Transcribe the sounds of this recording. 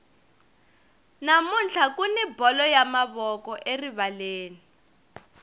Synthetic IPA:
namunt͡ɬʰakunibɔlɔjamaβɔkɔʔeriβaleːni

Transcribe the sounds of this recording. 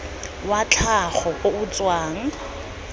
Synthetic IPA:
wat͡ɬʰaχɔkoʊt͡swaːŋ̩

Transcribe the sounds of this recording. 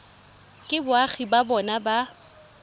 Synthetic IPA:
kʼɪbʊaɣibabɔnaba

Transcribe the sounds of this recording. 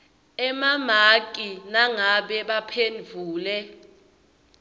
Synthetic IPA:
ɛmamakʼinaŋaɓɛɓapʰend͡vʱuːlɛ

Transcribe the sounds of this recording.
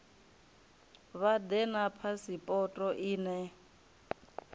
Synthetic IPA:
βad̪ɛnapʰasipʼɔtʼɔʔiːnɛ

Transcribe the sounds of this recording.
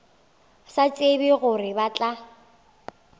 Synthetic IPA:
sat͡sʼebɪɣʊrɪbat͡ɬʼa

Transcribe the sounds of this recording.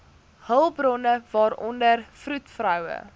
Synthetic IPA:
həlˠbrɔnəvɑːɾɔndərfrutfrœwə̰

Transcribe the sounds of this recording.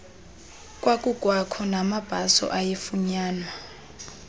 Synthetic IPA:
kʼwakʼukʼwakʰɔnamab̥ʱasɔ̰ʔajefuɲaːnwa

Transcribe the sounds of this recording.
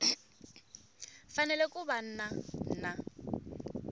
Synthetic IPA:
fanɛlɛkʼuban̩nan̩na

